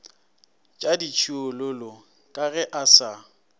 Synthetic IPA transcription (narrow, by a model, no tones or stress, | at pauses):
t͡ʃʼadit͡ʃʰiʊlʊlʊ | kʼaɣɛʔasa